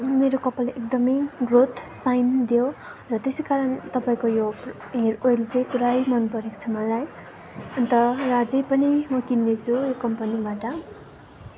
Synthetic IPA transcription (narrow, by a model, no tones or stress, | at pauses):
meɾokʌpːaleʔekd̪ʌmʌjɡrot̪ʰsajnd̪ijorʌt̪esejkaɾʌnt̪ʌpaĩkojo | ɦeɾojlt͡sʌj̃kuɾajmʌnpʌɾeko̥t͡sʰʌmʌlaj | ʌnt̪ʌrad͡zʌjpʌnimʌkinːet͡sʰujokʌmpʌnibaʈʌ